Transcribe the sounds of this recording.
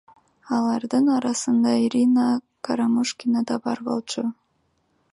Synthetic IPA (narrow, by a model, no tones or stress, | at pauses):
ɑlˠɑɾd̪ɯnɑɾɑsɯnd̪ɑiɾʲina | kaɾamuʃkʲinad̪ɑbɑɾbo̞̰lˠt͡ʃʰʊ